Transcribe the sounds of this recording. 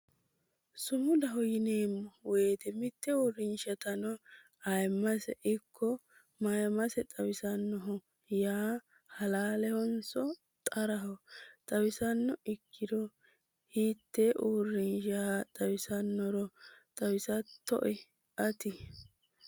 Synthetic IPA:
sʊmʊd̪ɐɦɔjɪneːmːɔweːt̪ɛmɪt̪ːɛuːrːɪnʃɐt̪ɐnɔ | ɐjmːɐsɛʔɪkʰːɔ | mɐjɐmɐsɛt̪ʼɐwɪsɐnːɔɦɔ | jaː | hɐlaːlɛhɔnsɔ | t̪ʼɐɾɐɦɔt̪ʼɐwɪsɐnːɔɪkʰːɪd̪ɔ | hiːt̪ːɛʔuːrːɪnʃɐhɐt̪ʼɐwɪsɐnːɔɾɔt̪ʼɐwɪsɐt̪ːɔ̰ʔɛ | ɐt̪ɪ

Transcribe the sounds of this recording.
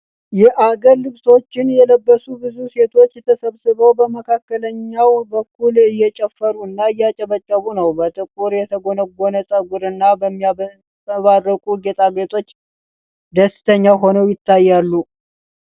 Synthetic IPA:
jɛʔaɡəɾlɨβso̞t͡ʃːɪnjɛləbːəsubɨzuse̞t̪ʰo̞t͡ʃːjɛt̪ʰəsəβsɨβəwbəməkʰakːələɲːawbəkʰːulɨjːɛt͡ʃʼɛfːəɾuɨnːaɨjːat͡ʃʼɛβət͡ʃʼːəβunəwbət̪ʼɨkʼuɾjɛt̪ʰəɡonəɡo̞nəsʼəɡʷuɾɨnːabəmːi | βarːəkʼuɡet̪ʼaɡet̪ʰʼo̞t͡ʃː | d̪əsːɪ̥t̪ʰəɲːaɦo̞nəwjɪt̪ʰːajːalːu

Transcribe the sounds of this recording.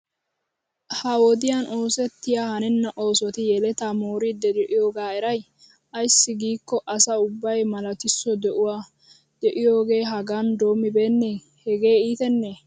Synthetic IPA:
hɐwɔd̪ɪjaːno̞ːsɛt̪ːɪjaːhɐnɛnːɐʔo̞ːsɔt̪ɪjɛlɛt̪aːmoːɾiːd̪ːɛd̪ɛʔɪjoːɡaːɛɾɐj | ɐjsːɪɡiːkːɔʔɐsɐʊbːɐjmɐlɐt̪ɪsːɔd̪ɛʔʊwaː | d̪̥ɛʔɪjo̞ːɡe̞ːɦɐɡaːnd̪o̞ːmːɪbe̞ːnːeː | hɛɡe̞ːiːt̪ɛnːeː

